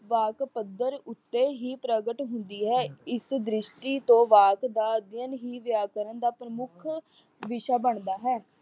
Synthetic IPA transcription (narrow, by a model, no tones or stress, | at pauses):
ʋaːkpəd̪əɾʊt̪ːeːɦiːpɾəɡəʈɦʊnd̪iːɦɛːɪsd̪ɾɪʃʈiːt̪õːʋaːkd̪aːəd̪jənɦiːʋjaːkəɾənd̪aːpɾəmʊkʰ | ʋɪʃaːbəɳd̪aːɦɛː